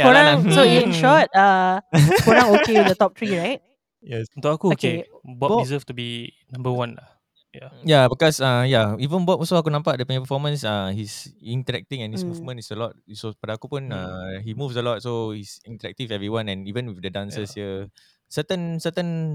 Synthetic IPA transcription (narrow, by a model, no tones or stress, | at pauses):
koɹãŋsojuĩnʃɔt̚a | koɾãŋokedət̪ɔp̚t̪ɹiɹajt̚ | jɛst̪oakuke | bɔdizəftubi | nãmbəwãnla | jajabikɔsajaivə̃nbɔtɔsoakunãmpaʔ̚dəpɛ̃ŋ̃pəfɔmə̃nsahisĩntəɹɛk̚tĩŋɛ̃nhismuvmə̃ntisəlɔt̚sopadaakupũnãhimufsəlɔt̚sohisĩntəɾɛk̚tivɛvɹiwãnɛ̃nivə̃nwifdədãnsəshiə | sətə̃nsətə̃n